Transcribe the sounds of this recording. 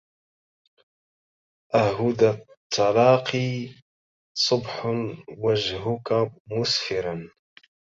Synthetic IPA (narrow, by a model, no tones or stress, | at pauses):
ʔaɦʊd̪at̪ˤʰːɑlɑːqʰi | sˤʊbħwad͡ʒɦʊkamʊsfɪɾan